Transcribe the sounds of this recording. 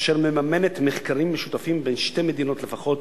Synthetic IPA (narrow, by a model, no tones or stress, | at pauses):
ʃeʁmemame̞net̪meχkaʁimːeʃut̪afimbenʃte̞jmed̪ino̞tle̞faχo̞t̪